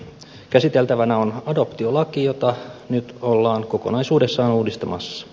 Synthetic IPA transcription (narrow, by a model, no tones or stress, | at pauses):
kæsit̪e̞lt̪æʋænæo̞nɑdo̞pt̪io̞lɑkijo̞t̪ɑnyt̪olːɑːŋko̞ko̞nɑisuːde̞sːɑːnuːdist̪ɑmɑ̰sːɑ̥